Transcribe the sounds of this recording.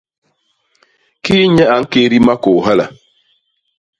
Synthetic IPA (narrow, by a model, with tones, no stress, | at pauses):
kiː˦ɲɛ˦a˨˦ŋ̩˦ke˦ɾi˦ma˦ko˨ɦa˦la˨